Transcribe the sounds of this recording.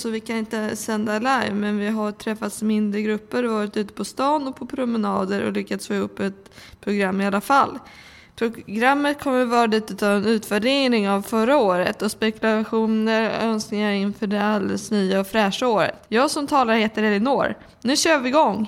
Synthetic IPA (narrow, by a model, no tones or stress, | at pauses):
sɔvɪkʰanɪnt̪əsɛnd̪alajvmɛnvɪɦaɾʈʰɾɛfːat̪smɪnd̪ɾəɡɾɵpːəɾvɑːɾɪt̪ʉ̟ːt̪ə̥pʰɔst̪ɑːnɔpʰɔpʰɾʊmɛnɑːd̪əɾɔ̰lʏkːat̪sføːɵpːɛt̪̚ | pʰɾʊɡɾamːɪalːafalː | pʰɾʊɡɾamːət̪̚kʰɔmːəɾvɑːɾaliːt̪ʉ̟ːt̪avɛnʉ̟ːt̪væɖeːnɪŋavfœɾaoːɾə̰t̪ɔspɛkɵlaɧuːnəɾœnsknɪŋaɪnfœɖɛald̪ɛ̰snyːaɔfɾɛːʂaoːɾə̰t̪jɑːɡsɔmt̪ʰɑːlaɾheːt̪əɾɛlɪnoːɾ | nʉ̟ːɕøːɾvɪɡɔŋː